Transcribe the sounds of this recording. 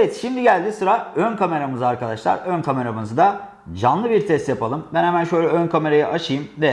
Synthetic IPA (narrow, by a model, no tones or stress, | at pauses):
evɛt̪ʃimd̪iɟælʲd̪isɯɾaønkʰame̞ɾamɯzɯaɾkad̪aʃlˠa̰ɾønkʰame̞ɾamɯzɯd̪a | d͡ʒanlˠɯbiɾt̪ʰɛst̪japalˠɯmbænhɛmænʃø̞jlʲɛønkʰame̞ɾajaʔaʃɯjɯmvɛ